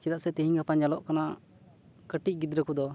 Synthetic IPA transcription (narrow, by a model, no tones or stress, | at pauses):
t͡ʃɛd̪aʔsɛt̪iɦiɲɡapand͡ʒalɔʔkana | kəʈiˀɡid̪ɾəkud̪ɔ